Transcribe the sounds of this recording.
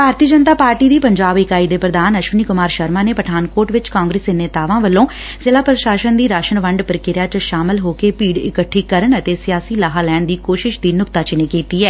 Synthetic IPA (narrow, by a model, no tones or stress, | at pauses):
bʱaːɾt̪iːəd͡ʒənt̪aːpaːɾʈiːd̪iːpəɲd͡ʒaːbɪkaːiːd̪eːpɾəd̪aːnəʃʋəniːkʊmaːɾʃəɾmaːneːpəʈʰaːnkoːɾʈʋɪt͡ʃkãːŋɡɾeːseneːt̪aːʋãːʋəlːõː | sɪlaːpɾəʃaːʃənd̪iːɾaːʃənʋəɳɖpəɾɪkɪɾjaːt͡ʃʃaːmɪlɦoːkeːpiːɽɪ̰kəʈʰːiːkəɾəɳət̪eːsɪjaːsiːlaːɦaːlɛːɳ̃d̪iːkoːʃɪʃd̪iːnʊkt̪aːt͡ʃɪneːkiːt̪iːɛː